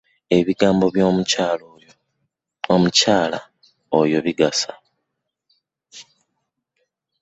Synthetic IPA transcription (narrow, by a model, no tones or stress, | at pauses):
e̞βiɡaːmbo̞βjomcalo | omucaːla̰ | ojo̞βiɡasa